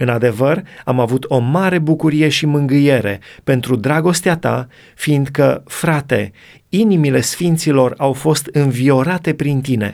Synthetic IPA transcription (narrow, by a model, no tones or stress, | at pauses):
ɨnad̪e̞vəramavut̪o̞maɾe̞bukuɾije̞ʃimɨŋɡɨje̞ɾe̞̰pe̞nt̪ɾud̪ɾaɡo̞st̪eat̪a̰ | find̪kəfɾat̪e̞̰ | inimile̞sfint̪silo̞rawfo̞st̪ɨnvio̞ɾat̪e̞pɾint̪ine̞̰